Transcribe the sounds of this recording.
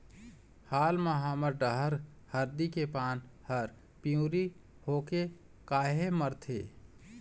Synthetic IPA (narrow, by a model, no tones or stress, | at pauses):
haːlmãɦaməɾɖəɦəɾ | həɾd̪ikepaːnhəɾ | pijũːɾi | hoːke | kaːɦeməɾt̪ʰḛː